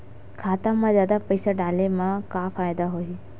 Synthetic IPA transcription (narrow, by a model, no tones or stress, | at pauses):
kʰaːt̪amãzjaːd̪apɐɪsaɖaːlemãkafaːjd̪aɦoi